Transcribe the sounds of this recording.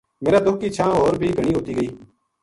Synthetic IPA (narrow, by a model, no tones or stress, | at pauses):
meːɾaːd̪ʊkʰiːt͡ʃʰãːɦoːɾbʱiːɡʱəɽ̃iːɦoːt̪iːɡəiː